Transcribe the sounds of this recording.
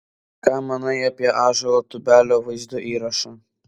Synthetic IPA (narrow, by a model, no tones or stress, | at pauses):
kɑːmɐnɐɪɐpʲiɛʔɑːʒɐɾoːt̪ʊbʲæːlʲoːʋɐɪzd̪oːʔiːɾɐʃɐ